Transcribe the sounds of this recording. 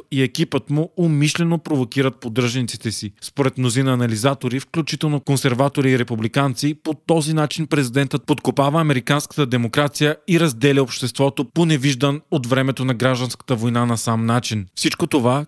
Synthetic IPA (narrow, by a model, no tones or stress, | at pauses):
iɛkipət̪muomiʃlɛnopɾovokiɾət̪̚pod̪ɾɤʒnit̪si̥t̪ɛsispoɾɛt̪mnozinɐːnɐlizat̪oɾifklʲut͡ʃit̪ɛlˠnokonsɛɾvat̪oɾiːɾɛpublikant̪sipot̪ɔzinat͡ʃinpɾɛzid̪ɛnt̪ət̪̚pot̪kopavəːmɛɾikanskə̥t̪əd̪ɛmokɾat̪sijəiɾɐzd̪ɛlʲɛopʃt̪ɛst̪vɔt̪oponɛviʒd̪ənot̪vɾɛmɛt̪onɐɡɾaʒd̪ənskə̥t̪əvojnanɐsamnat͡ʃinfsit͡ʃkot̪ova